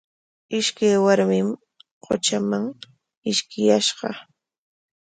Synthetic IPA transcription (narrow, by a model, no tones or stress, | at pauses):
ɪʃkajwaɾmɪm | qo̰t͡ʃamaŋ | ɪʃkɪjaʃɢɑ